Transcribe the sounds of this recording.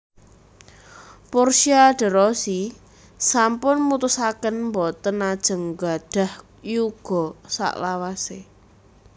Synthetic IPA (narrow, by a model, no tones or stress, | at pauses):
purʃiaɖ̥ə̤ɾɔsi | sampʊnmut̪usakənmbɔt̪ənad̥ʒ̥ə̤ŋɡa̤ɖ̥a̤h | juɡ̥ɔ̤sa̰ʔlawase